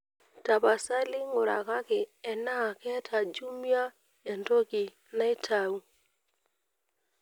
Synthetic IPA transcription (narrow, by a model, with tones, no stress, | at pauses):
ta˨pa˨sa˦lɪ˦ŋʊ˨ɾa̰˨ka˦kɪ˨ɛ˨na˦˨kɛ˦tʰa˨d͡ʒu˦mja˦ | ɛ˨nto˦ki˨ | na˦ɪ˦tʰa˨u˦